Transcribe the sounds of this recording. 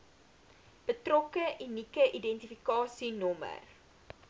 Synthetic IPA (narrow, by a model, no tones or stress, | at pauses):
b̥ətrɔkəʔinikəʔidɛntifikɑːsinɔmə̰r